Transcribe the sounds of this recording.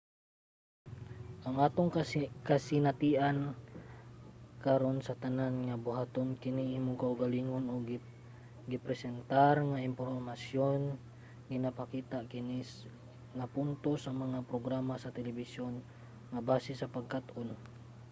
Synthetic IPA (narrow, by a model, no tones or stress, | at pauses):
ʔaŋaːt̪oŋkasinat̪iʔan | kaɾonsɐt̪ananŋabʊhat̪onkɪniimukauɡaliŋonoɡ | ɡipɾɛsɛnt̪aɾŋaɪmpoɾmasjon | ɡɪnapakiːt̪akɪni | ŋapunt̪osamɐŋapɾoɡɾamasɐt̪ɛlɛbisjon | ŋabaːsɪsɐpaɡ̚kat̪on